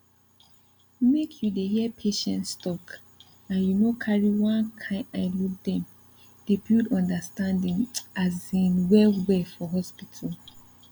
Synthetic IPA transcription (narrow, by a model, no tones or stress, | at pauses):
mekʰjudehiɛpʰeʃɛ̃ntstɔk | ãnjunokʰaɹiwãnkʰãɪaɪludɛ̃m | d̥ebildɔ̃ndastãndĩŋazĩnwɛwɛfɔɦɔspitʰal